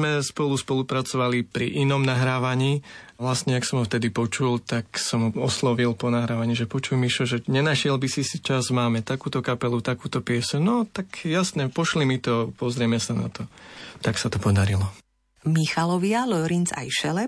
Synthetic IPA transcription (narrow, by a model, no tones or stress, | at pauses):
mɛspɔluspɔlupɾat͡sɔʋalipɾiʔinɔmnaɦɾaːʋaɲiːʋlasɲɛaksɔmɦɔft̪ɛd̪ipɔt͡ʃult̪aksɔmɔslɔʋilpɔnaɦɾaːʋaɲiːʒɛpɔt͡ʃujmiʃɔʒɛɲɛnaʃɪɛlbisisit͡ʃazmaːmɛt̪akuːt̪ɔkapɛlut̪akuːt̪ɔpɪɛsunɔt̪akjasnɛpɔʃlimit̪ɔpɔzɾɪɛmɛsana̰t̪ɔt̪aksat̪ɔpɔd̪aɾilɔ | mixalɔʋɪalɔɾint͡sa̰jʃɛlɛ